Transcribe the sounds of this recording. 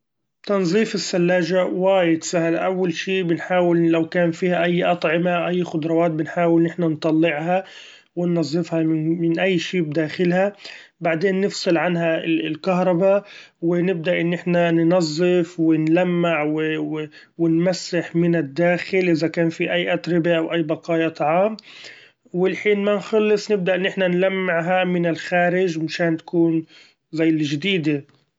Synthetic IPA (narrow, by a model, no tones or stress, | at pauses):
t̪ɑnzˤiːfɪsːalːaːʒawaːjɪd̪sahalʔawːalʃiːbɪnħaːwɪllawkaːnfiːhaʔajːʔɑt̪ˤʕɪmaʔajːxʊd̪ɾˤɑwaːt̪̚bɪnħaːwɪlnɪħnant̪ˤɑlːɪʕha | wɪnːɑzˤːɨfhɑɪmɪnʔajːʃiːbd̪aːxɪlhabaʕd̪eːnːɪfsˤɨlʕanɦaɪlkaɦɾˤɑbawɪnɪb̚d̪aʔɪnːɪħnannɑzˤːɪfwɪnlamːɪʕwɪ | wɪnmasːɪħmɪnɪd̪ːaːxɪlʔɪðakaːnfiʔajːʔat̪ɾɪbaʔawʔajːbɑqɑːjɑt̪ˤɑʕɑːm | wɪlħiːnmanxɑlːɨsˤnɪb̚d̪aʔɪnːɪħnanlamːɪʕɦamɪnɪlxaːɾɪʒmaʃaːnt̪ḁkuːn | zajːɪlʒd̪iːd̪e